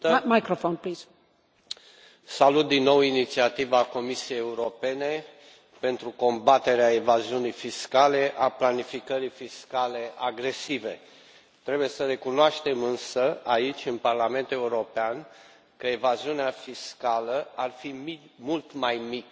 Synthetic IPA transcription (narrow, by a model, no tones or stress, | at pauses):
majkɾofonpliz̥ | salut̪̚d̪inːo̞winit̪siat̪ivako̞misije̞jeuɾo̞pe̞ne̞ | pe̞nt̪ɾuko̞mbat̪e̞ɾeaevaziunijfiskale̞ʔaplanifikəɾijfiskale̞aɡɾe̞sive̞ | t̪ɾe̞buje̞səɾe̞kunoaʃt̪e̞mɨnsəait͡ʃʲɨnparlame̞nt̪e̞uɾo̞pean | kəe̞vaziuneafiskaləarfimimult̪majmik